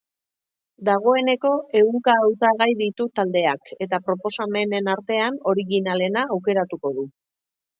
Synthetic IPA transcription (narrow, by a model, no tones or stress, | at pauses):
d̪aɣ̞o̞e̞ne̞ko̞e̞ɣuŋkaːwt̪aɣajðit̪ut̪ald̪e̞ake̞t̪apɾo̞po̞same̞ne̞naɾt̪e̞ano̞ɾiɣinale̞naːwke̞ɾat̪uko̞ð̞u